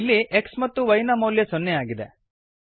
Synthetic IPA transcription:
lːiʔeksmɐt̪ːuʋɐjnaːmɐwljesɔnːejaːɡid̪e

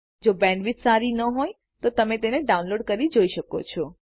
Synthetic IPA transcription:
d͡ʒobɛ̃ɳɖʋitsaɾinəɦoj | t̪ot̪əmet̪eneɖaunloɖkəɾid͡ʒoiʃəko̰t͡ʃʰɔ

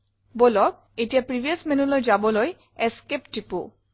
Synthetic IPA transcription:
bolɔk̚etijapɹibʱiasmenulojzabɔloj | ɛskepʈipu

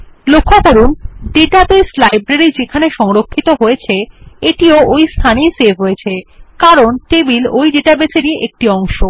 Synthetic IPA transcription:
lokʰːokoɾunɖeʈabeslajbɾeɾid͡ʑekʰaneʃɔŋɾokʰːit̪oɦojet͡ɕʰeeʈioojst̪ʰanijsebʱɦojet͡ɕʰekaɾonʈebilojɖeʈabeseɾieʔek̚ʈiɔŋʃo

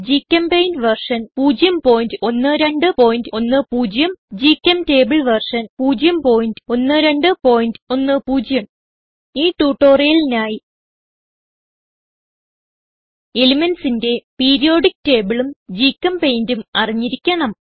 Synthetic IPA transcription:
d͡ʑikːɐmpejndʋɐrʂɐnpuːd͡ʑjɐmpo̞ːjindɨo̞nːɨɾe̞ɳɖɨpo̞ːjindo̞nːɨpuːd͡ʑjɐmd͡ʑikʲːɐmte̞ːbiɭʋɐrʂɐnpuːd͡ʑjɐmpo̞ːjindɨo̞nːɨɾe̞ɳɖɨpo̞ːjindɨo̞nːɨpuːd͡ʑjɐm | iːʈːuːʈːoːrijɐlinaːji | elimensinde̞peːɾijo̞ːɽik̚te̞ːbiɭumd͡ʑiːkːɐmpejndumɐriɲːiɾikʲːɐɳɐm

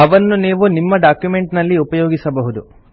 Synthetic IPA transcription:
ɐʋɐnːuniːʋunimːɐɖaːkjume̞ɳʈnɐlːiupɐjoːɡisɐbɐɦud̪u

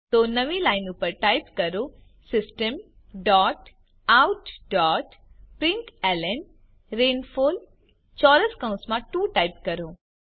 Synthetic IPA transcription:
t̪onɐʋĩlaːɪnupəɾʈaːɪpkɐɾo | sɪsʈəm | ɖɔːʈ | awʊʈɖɔːʈ | pɾɪ̃ŋkɛlen | ɾeːnfoːl | t͡ʃɔːɾəskɐ̃ʊ̃smãʈuːʈaːjpkɐɾoː

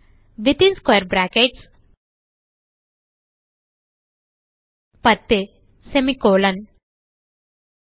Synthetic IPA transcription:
ʋit̪ĩnskwajəɾbɾakeʈs | pət̪ːe | semikoːlɐn

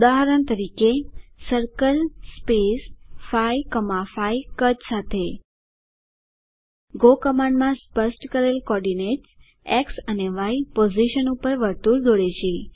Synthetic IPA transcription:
ud̪aɦəɾəɳt̪əɾikesəɾkəlspesfajkəmafaikəd͡ʒsat̪ʰe | ɡokəmãɳɖmãspəsʈkəɾelkɔɾɖineʈs | eksəneʋajpoziʃənupəɾʋəɾt̪uɾd̪oɭeʃʰe

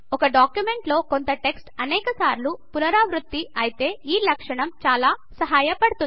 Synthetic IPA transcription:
ɔkɐɖaːkjume̞ɳʈlo̞ːko̞nt̪ɐʈe̞ksʈɐnɛːkɐsaːɾlupunɐɾaːʋɾut̪ːiɐjit̪e̞ːiːlɐkʂɐɳɐmt͡ʃaːlaːsɐɦaːjɐpɐɽt̪un

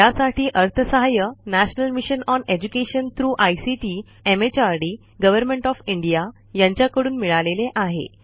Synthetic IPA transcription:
jasaʈʰiːʔəɾt̪ʰəsəɦajənæɕnəlmiɕənɔned͡ʑukeɕənt̪ʰɾuːʔajsiʈi | emet͡ɕaɾɖiː | ɡəʋəɾmẽɳʈɔfiɳɖija | jaɲt͡ɕjakəɽuːnmiɭaleleʔaɦḛ

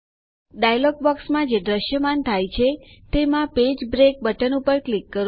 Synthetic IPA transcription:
ɖajlɔɡ̚bɔksmãd͡ʒed̪ɾəʃjəmant̪ʰajt͡ʃʰet̪emãped͡ʒbɾek̚bəʈənupəɾklikːəɾ

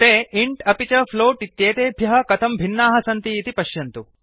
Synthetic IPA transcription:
t̪eːiɳʈɐpit͡ʃɐfʰloːʈit̪jeːt̪eːbʱjɐɦɐ̆kɐt̪ʰɐmbʱinːaːɦɐsɐnt̪iːt̪ipɐʃjɐnt̪u

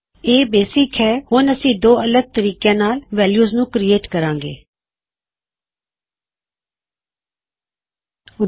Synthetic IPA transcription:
eːbeːsɪkɦɛːhʊnəsĩːd̪oːələɡ̚t̪əɾiːkjãːnaːlʋɛːljuːznũːkɾieːʈkəɾãːŋɡḛː | ʊ

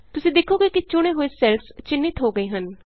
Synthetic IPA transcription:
t̪ʊsĩːd̪eːkʰoːɡeːkit͡ʃʊɽ̃eɦoːesɛlst͡ʃɪnːɪt̪ɦoːɡəeɦən

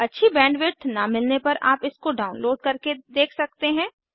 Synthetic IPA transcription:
ɐtːʃʰibɛ̃ːɳɖʋɪʈʰnamɪlnepɐɾa̰ːpɪskoɖaːʊnloːɖ̚kɐɾked̪eːkʰsɐk̚t̪eɦɛ̃ː

